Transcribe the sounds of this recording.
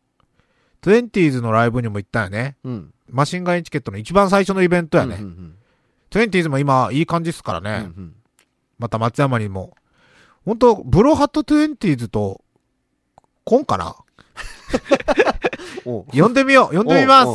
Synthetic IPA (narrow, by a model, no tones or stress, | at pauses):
t̪ɨẽ̞nt̪ʲiːzɨno̞ɾaibɯ̟ɲ̟imo̞it̪ːãjane̞ | maɕĩŋɡaẽɲt͡ɕi̥ke̞t̪ːonoit͡ɕibãɰ̃s̬aiɕo̞no̞ibẽ̞nt̪o̞ja̰ne̞̰ | t̪oẽ̞nt̪̬ʲiːzɨmo̞imaiːkãɲd͡ʑisɨ̥kaɾa̰ne̞̰ | mat̪amat͡sɨjamaɲ̟imo̞̰ | hõnt̪̬o̞bɯ̟ɾo̞ɦat̪ːot̪ɨẽ̞nt̪ʲiːzɨt̪o̞ | kõ̞ŋkana̰ | jõnd̪e̞mʲijojõ̞ndemʲimasɨ̥